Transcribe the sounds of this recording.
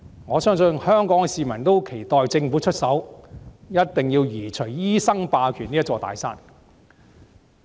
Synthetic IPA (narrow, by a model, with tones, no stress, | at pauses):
ŋɔː˨˧sœː˥ŋsɵ˧nhœː˥ŋkɔː˨˥ŋɛ˧siː˨˧mɐ˨˩nt̪o˥wkʰe˨˩jt̪ɔː˨jt͡sɪ˧ŋfuː˨˥t͡ʃʰɵ˥t̚sɐ˨˥w | jɐ˥t̚t̪ɪ˨ŋjiː˧wjiː˨˩t͡ʃʰɵ˨˩ɥjiː˥sɐ˥ŋpaː˧kʰyː˨˩ni˥ɐ˥t͡ʃːɔː˧t̪a̰ː˨˥jsaː˥n